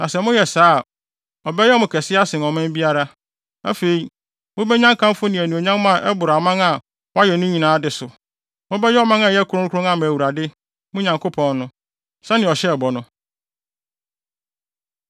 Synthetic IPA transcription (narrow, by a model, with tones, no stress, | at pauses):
nã˨sɛ˨mʊ̃˦jɛ˨saː˨˦˨ | ɔ˨bɛ˦jɛ˦mʊ̃˨kʰɛ˨sɪ˦a˦sɪ̃˨nɔ˨mɪ̃˦m˦bi˦a˦ɾa˦ | æ̰˦fe˨i˨ | mʊ̃˦bɛ˦ɲã˦ŋkʰã˦m˦fʊ˦nɪ̃˨æ˨nũ˨o˨ɲã˦m˦mã˦˨ʔɛ˦bʊ˨ɾa˨mã˦ŋa˨ | wɔ˦a˦jɛ˨nʊ̃˦ɲĩ˨nãː˨˦dɪ˨sʊ˨ | mʊ̃˦bɛ˦jɛ˦ɔ˦mã˦ŋã˨jɛ˦kʰʊ˦ɾʊ̃˦kʰʊ˦ɾʊ̃˦ŋã˨m̃˨æ˨wu˨ɾa˨dɪ˦ | mʊ̃˦ɲã˨ŋkʰo˦pʰɔ̃˨nːʊ̃˦ | sã˦nɪ̃˨ɔ˨ɕɛ˦˨bɔ˨nʊ̃˦